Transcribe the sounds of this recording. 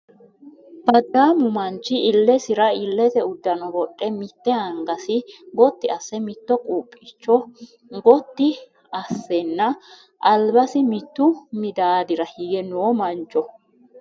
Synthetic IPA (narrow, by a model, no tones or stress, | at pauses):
b̥ɐd̪ːaːmʊmɐnt͡ʃːɪɪlːɛsɪɾɐɪlːɛt̪ɛʊd̪ːɐnɔbɔkʼːɛmɪt̪ːɛhɐŋɡɐsɪɡɔt̪ːɪɐsːɛmɪt̪ːɔkʼuːpʼːɪt͡ʃːɔ | ɡɔt̪ːɪ | ɐsːɛnːɐ | ʔɐlbɐsɪmɪt̪ːʊmɪd̪aːd̪ɪɾɐhiːɡɛnoːmɐnt͡ʃʼːɔ